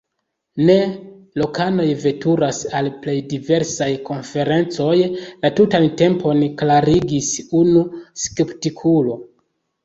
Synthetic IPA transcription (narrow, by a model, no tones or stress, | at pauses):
ne̞ | lo̞kano̞jve̞tuɾasalple̞jdive̞ɾsajko̞nfe̞ɾe̞nt͡so̞jlatutante̞mpo̞nklaɾiɡisunuske̞ptikʰulo̞